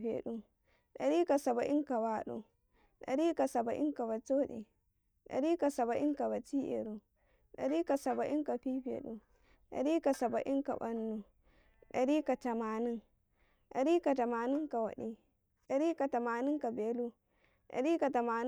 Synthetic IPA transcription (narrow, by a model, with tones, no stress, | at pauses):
ɸḛ˨ɗu˦˨ | ɗɐ˨ɾi˦ka˨sa˨ba˨ʔi˦ŋka˨waː˦ɗṵ˨ | ɗɐ̰˨ɾi˦ka˨sa˨ba˨ʔi˦ŋka˨ba˨t͡ʃo˦ɗḭ˨ | ɗɐ̰˨ɾi˦ka˨sɐ˨ba˨ʔi˦ŋka˨ba˨t͡ʃiː˦ʔḛ˨ɾu˨ | ɗɐ̰˨ɾi˦ka˨sɐ˨ba˨ʔi˦ŋka˨ɸiː˦ɸḛ˨ɗu˨ | ɗɐ̰˨ɾi˦ka˨sa˨ba˨ʔi˦ŋka̰˨bɐ˦nːu˨ | ɗɐ˨ɾi˦ka˨tɐ˨maː˨ni˦ŋ | ɗɐ̰˨ɾi˦ka˨ta˨maː˨ni˦ŋka˨wa̰˨ɗi˦ | ɗɐ˨ɾi˦ka˨ta˨maː˨ni˦ŋka˨beː˨lu˦ | ɗa̰˨ɾi˦ka˨ta˨maː˨n˦